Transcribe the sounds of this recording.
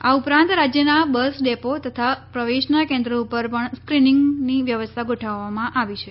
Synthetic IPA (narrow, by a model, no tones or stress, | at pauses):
aupɾãnt̪ɾad͡ʒjənabəsɖepot̪ət̪ʰapɾəʋeʃnakẽnd̪ɾəupəɾpəɳskɾinɪ̃ŋɡniʋjəʋəst̪ʰaɡʱoʈʰaʋːamãʔaʋit͡ʃʰe